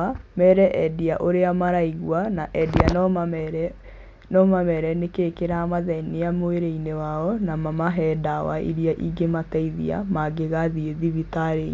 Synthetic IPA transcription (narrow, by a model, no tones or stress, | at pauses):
amɛɾɛʔɛdiaʔoɾeamaɾaiɣwanaʔɛdianɛɾɛ | nɔmamɛɾɛnekeːkeɾamaðɛneamoeɾeinewaɔnamamaɦɛdawa̰ʔḭɾiaʔiɡemataiðḭa̰maɡeɣaðieðiβitaɾe